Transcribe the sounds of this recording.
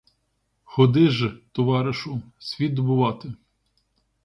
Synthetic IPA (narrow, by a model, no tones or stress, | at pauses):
xɔd̪ɪʒt̪ɔʋɑɾɪʃʊsʲʋʲit̪̚d̪ɔbʊʋɑt̪ɪ